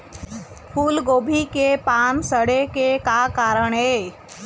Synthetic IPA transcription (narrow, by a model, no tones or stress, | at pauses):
pʰuːlɡoːbʱikepaːnsəɽekekakaːɾəɳ̃ɦeː